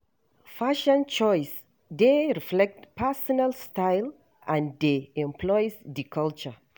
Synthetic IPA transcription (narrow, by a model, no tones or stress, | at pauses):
faʃə̃nt͡ʃɔjs | d̪eɹiflɛk̚tpɛsɔnalstajl | ãndeɛ̃mpʰlɔjsdikʰalt͡ʃə